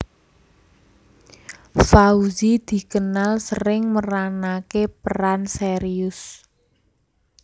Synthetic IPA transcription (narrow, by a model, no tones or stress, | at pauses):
fauzid̪̥i̤kənalsəɾɪŋməɾanakepəɾanseɾiʊs